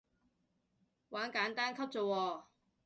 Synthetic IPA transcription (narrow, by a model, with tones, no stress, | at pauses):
waː˨˥nkaː˨˥nt̪aː˥nkʰɐ˥p̚t͡so˨wɔː˧